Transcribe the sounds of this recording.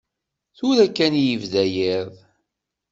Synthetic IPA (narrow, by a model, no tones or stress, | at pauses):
θʊɾækːænjəvðæjiðˤ